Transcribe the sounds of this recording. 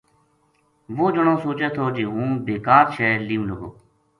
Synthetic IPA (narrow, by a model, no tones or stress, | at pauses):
ʋoːd͡ʒəɳõːsoːt͡ʃɛːt̪ʰoːd͡ʒeːɦũːbeːkaːɾt͡ʃʰɛːliːũːləɡoː